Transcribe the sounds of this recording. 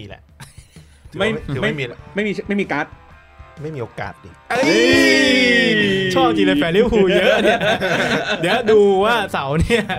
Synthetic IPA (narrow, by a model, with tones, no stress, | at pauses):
lɛ̰˨˧ʔʰ | ma˥˩ɯ˨˦ma˩mi˧ma˥˩jmiː˧˥ma˥˩jmiː˧kaː˦˥t̪̚ | ma˥˩jmiː˧˨oː˧ka̰ː˨˩t̪̚dḭː˨˧˩ʔɯ˧ | t͡ɕʰɔː˥˩p̚t͡ɕiː˧lə˧fɛː˨˦liː˥˩huː˧jɤ˦˥ʔni˥˩ɐ˩ɐjɛː˦˥duː˧waː˥˩sa˩˦wni˥˩ɐ